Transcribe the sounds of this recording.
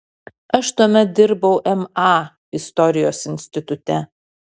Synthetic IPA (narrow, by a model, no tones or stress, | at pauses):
ɐʃt̪uɔmʲɛt̪̚d̪ʲɪɾbɐʊʔɛmɑː | ɪst̪ɔɾʲɪjoːsɪnʲsʲt̪ʲɪt̪ʊt̪ʲɛ